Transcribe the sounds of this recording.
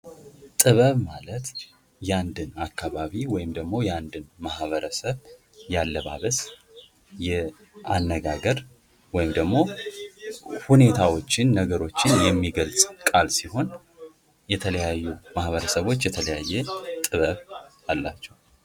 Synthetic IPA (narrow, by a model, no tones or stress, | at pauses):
t̪ʼɨβəβmalət̪ | jɛand̪ɨnakːaβaβiwɔjɪmd̪əɡmo̞jɛand̪ɨnmahβəɾəsəβ | jalːəβa̰βəs | jɛ | anːəɡaɡəɾ | wɔjɪmd̪əɡmo̞ | hune̞t̪ʰawo̞t͡ʃːɪnːəɡəɾo̞t͡ʃːɪnjɛmːiɡəlzʼkʼalsiho̞n | jɛt̪ʰələjajːumahβəɾəsəβo̞t͡ʃːjɛt̪ʰələjajːɛt̪ʼɨβəβ | alːa̰t͡ʃːɛw